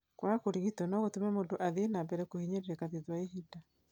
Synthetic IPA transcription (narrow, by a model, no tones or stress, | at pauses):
kwakoɾiɣitɔnɔɣotumɛmondoʔaðinambɛɾɛkohiɲeɾiɾɛkaðiðwaeɦida